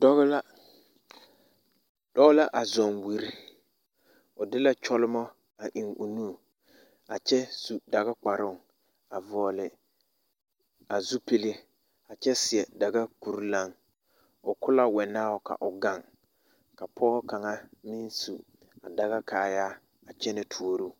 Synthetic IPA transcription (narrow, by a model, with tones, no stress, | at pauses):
d̥ɔ˦ɣɪ˦la˦ | d̥ɔ˦ɣla˦ʔa˨zɔ˨ŋwi˨ɾi˦ | ʊ˨dɪ˦la˦t͡ʃɔ˦lʊ˦mɔ˦ | a˨ʔɪ˨ŋʊ̰˨nu˦˨ | a˨t͡ʃɛ˦su˨da˨ɣa˦k͡pa˨ɾʊ˦˨ŋ | a˨vɔː˨lɪ˨ | a˨zu˦pe˦le˦ | a˨t͡ʃɛ˦sɪ˨ɛ˨da˨ɡa˦ku˨ɾla˦ŋ | ʊ˨kʊ˦la˦wɛ˨naː˦ʊ˦ka̰˨ʔʊ˨ɡa˦˨ŋ | ka˨pʰɔː˦ɔ˦ka˨ŋa˦mi˦nsu˨ | a˨da˨ɣa˦kaː˨ja˦ | a˨t͡ʃɛ˦nɪ˨tʰu˨˦o˦ɾu˦